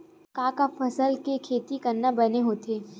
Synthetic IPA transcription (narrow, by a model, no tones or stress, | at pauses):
kaːkafɐsəlkekʰeːt̪ikɐɾnabɐneɦoːt̪eː